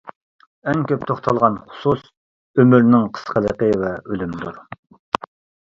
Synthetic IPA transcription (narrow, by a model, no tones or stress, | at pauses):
ɛŋkʲøp̚t̪ʰoχt̪ʰɑlˠʁɑnχʊ̥sus | ømyɾnɪŋqʰə̥sqʰəlˠəqəvɛølymd̪uɾ